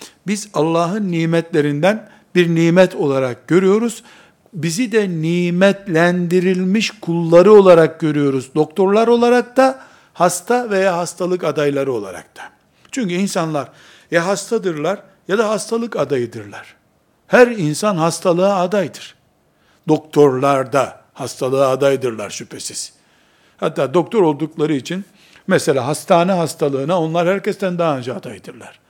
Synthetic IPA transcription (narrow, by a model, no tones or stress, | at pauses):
bizalˠːaːɦɯnːiːmɛt̪lʲe̞ɾind̪æn | biɾniːmɛt̪ʰo̞lˠaɾak̚ɟø̞ɾyjo̞ɾuz̥ | bizid̪ɛniːmɛt̪lʲænd̪iɾilʲmiʃkʰulˠːaɾɯo̞lˠaɾak̚ɟø̞ɾyjo̞ɾuzd̪o̞kt̪ʰo̞ɾlˠaɾo̞lˠaɾak̚t̪a | hast̪ʰavejaːɦast̪ʰalˠɯkad̪ajlˠaɾɯo̞lˠa̰ɾa̰k̚t̪ʰḁ | t͡ʃʰyɲcyinsanlˠaɾ | jaɦast̪ʰad̪ɯɾlˠaɾ | jad̪aɦast̪ʰalˠɯkad̪ajɯd̪ɯɾlʲˠæɾ̥ | hæɾinsanɦast̪ʰalˠɯaːd̪ajd̪ɯɾ̥ | d̪̥o̞k̚t̪ʰo̞ɾlˠaɾd̪a | hast̪ʰalˠɯad̪ajɯd̪ɯɾlˠa̰ɾʃypʰe̞siz̥ | hat̪ːaːd̪o̞k̚t̪ʰo̞ɾo̞lˠd̪uklˠaɾɯit͡ʃʰin | mɛse̞lʲaːɦast̪ʰaːnɛɦast̪ʰalˠɯːnaonlˠaɾhæɾcɛst̪ʰænd̪aɦːɯnd͡ʒaːd̪ajɯd̪ɯɾlˠaɾ̥